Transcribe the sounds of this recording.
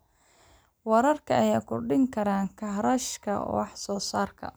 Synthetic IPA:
wɑɾɐrkʰɐɐjaːkʰʊrɖɪŋkʰɐɾaːŋkʰɐɦɾɐʃkʰɐ̰wɑħsɔːsaːrkʰɐ̰

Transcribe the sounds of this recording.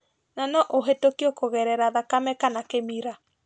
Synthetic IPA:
nanɔʔoɦetokeokoɣɛɾɛɾaðakamɛkanakemiɾa

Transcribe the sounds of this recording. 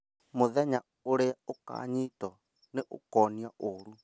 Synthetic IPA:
mʊðɛɲa | uɺɛauka̰ɲitʼɔ | nɪʔṵkɔniaʔuːɺu

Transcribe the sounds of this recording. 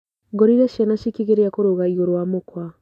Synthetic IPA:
ɡoɾiɾɛʃɛnaʃikiɣeɾeakoɾoɣaiɣoɾowamokwa

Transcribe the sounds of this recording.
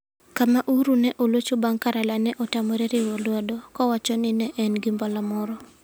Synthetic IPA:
kamaʔuɾunɛʔolot͡ʃobaŋkaɾalanɛʔɔtamɔɾɛɾɪwɔlwadɔkɔwat͡ʃɔnɪnɛʔɛnɡimbɔlamɔɾɔ

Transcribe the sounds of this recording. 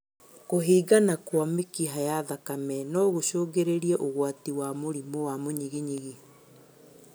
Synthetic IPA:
koɦiːɡanakwamekiɦajaðakamɛnɔɣoʃoːɣeɾeɾiɛʔoɣwatiwamoɾimowamoɲiɣiɲiɣi

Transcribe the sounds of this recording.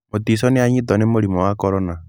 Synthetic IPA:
ot̪isɔneaɲit̪ɔnemoɾimɔwakɔɾɔna

